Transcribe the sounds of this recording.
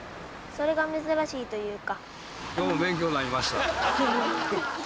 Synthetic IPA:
so̞ɾe̞ɡamɯzɨɾaɕiːt̪o̞jɯ̟ːka | kʲo̞ːmobẽ̞ŋk̬ʲo̞ːnaɾʲimaɕi̥t̪a

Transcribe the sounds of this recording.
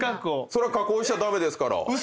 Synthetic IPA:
kakoso̞ɾekakoːɕi̥t̪ad̪ame̞d̪e̞sɨ̥kaɾa̰ɯ

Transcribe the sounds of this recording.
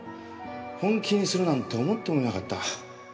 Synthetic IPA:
hõŋkʲʰiɲsɨɾɯ̟nãnt̪o̞ːmot̪ːe̞koɾenakat̪ːa

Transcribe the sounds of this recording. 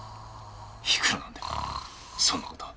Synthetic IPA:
çi̥kʰɯɾonand̪e | sonːot̪o̥

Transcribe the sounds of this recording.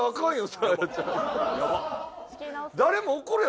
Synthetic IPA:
akãɰ̃josaat͡ɕaja | d̪aɾe̞moːkoɾɯ

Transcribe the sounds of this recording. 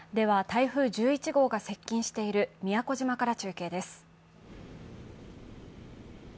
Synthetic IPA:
d̪e̞β̞at̪aiɸɯ̟ːʑɨːit͡ɕiɡo̞ːɡase̞kʲːĩɰ̃ɕi̥t̪e̞iɾɯ̟mʲijako̞ʑimakaɾat͡ɕɨːke̞ːd̪e̞sɨ̥

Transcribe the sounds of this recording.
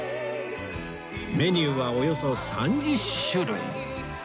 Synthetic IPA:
me̞ɲʲɨːβaojo̞so̞sãɲ̟d͡ʑiɕɨɾɯḭ

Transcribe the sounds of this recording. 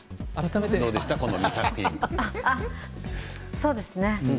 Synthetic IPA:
aɾat̪amet̪eso̞ːd̪eɕi̥t̪ako̞nomʲisakɯ̟̥çĩŋaa | so̞ːd̪e̞sɨne̞

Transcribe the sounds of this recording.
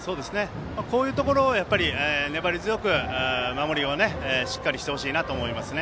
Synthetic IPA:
so̞ːd̪e̞sɨne̞ | mako̞ːjɯ̟ːt̪o̞ko̞ɾo̞ːjapːaɾʲieːne̞baɾʲizɨjo̞kɯ̟ɯːmamo̞ɾʲione̞ɕi̥kːaɾʲiɕi̥t̪e̞ho̞ɕiːnat̪oːmo̞imasɨne̞

